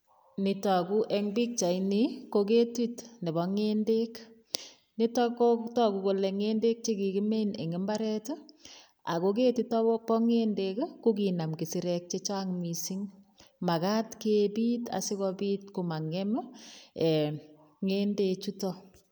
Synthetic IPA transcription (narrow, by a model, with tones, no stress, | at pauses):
ni˨ta˨ku˦ʔe˦ŋbi˦k̚t͡ʃa˨ini˦ko˧k̬e˦twi˦tne˨bɔ˨ŋe˦nde˦k | ni˦tɔ˦ko˦tɔ˦ku˨ko˨le˨ŋe˦nde˦k̚t͡ʃe˦ki˨ki˦me˦nḛ˨ŋe˦mba˦ɾɛ˦tɔ˦ | a˨ko˦k̬e˦ti˦tɔ˦pɔ˦ŋe˦ndekku˦ki˨na˨mki˨si˨ɾɛk̚t͡ʃe˦t͡ʃa˦ŋmi˨siŋ | ma˨ka˦tkebiː˦ta̰˨si˦kɔ˦biːtko˨ma˨ŋe˦mɔ˦e˨ | ŋe˦nde˦t͡ʃu˦tɔ˦